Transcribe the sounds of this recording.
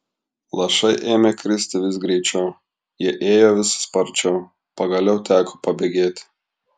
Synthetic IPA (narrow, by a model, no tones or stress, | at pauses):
lˠɐʃɐɪʔeːmʲeːkɾʲɪsʲt̪ʲɪʋʲɪs̬ɡɾʲɛɪt͡ʃʲɛʊ | jiɛʔeːjoːʋʲɪsʊ̥spɐɾʲt͡ʃʲɛʊ | pɐɡɐlʲɛʊt̪ʲæːkopɐbʲeɡʲeːt̪ʲ